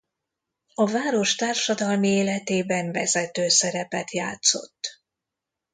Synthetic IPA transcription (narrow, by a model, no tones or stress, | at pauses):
ɒvaːɾo̞ʃt̪aːrʃɒd̪ɒlmieːlɛt̪eːbɛɱvɛzɛt̪øːsɛɾɛpɛt̪jaːt̪so̞̰t̪ː